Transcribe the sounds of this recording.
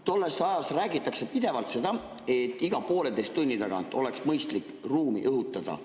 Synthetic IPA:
t̪o̞lːe̞st̪ɑjɑst̪ræːɡit̪ːˑɑkse̞pid̪̥e̞vɑlt̪se̞d̪ɑ | e̞t̪ːˑiɡ̥ɑpo̞ːled̪e̞jst̪unʲːit̪ɑɡ̥ɑ̰nt̪ːˑo̞leksmɤjst̪likː | ruːmḭʔɤɦut̪ːˑɑd̪̥ɑ̰

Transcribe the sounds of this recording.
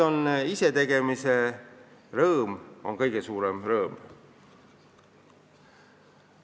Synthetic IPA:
o̞nise̞t̪e̞ɡ̥e̞mise | rɤːmo̞̰ŋkɤjɡ̥e̞suːɾemrɤːm

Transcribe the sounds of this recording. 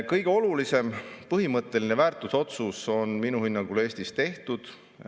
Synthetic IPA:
kɤjɡ̥eo̞lulise̞mpɤɦimɤt̪ˑːe̞linevæːrt̪ːˑuso̞t̪suso̞nminuhinːɑŋɡ̥ule̞ːsʲt̪ist̪e̞ht̪ud̪̥

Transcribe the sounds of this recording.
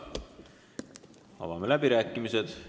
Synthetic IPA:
ɑ̰vɑmelæbiɾæːkˑːimised̪̥

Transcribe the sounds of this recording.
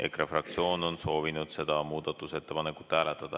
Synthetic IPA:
ʔekrefrɑk̚t̪sio̞ːno̞nso̞ːvinud̪̥se̞d̪̥ɑmuːd̪ɑt̪ːˑuse̞t̪ːe̞pɑnekːˑu̥t̪ːhæːlet̪ːˑɑd̪̥ɑ

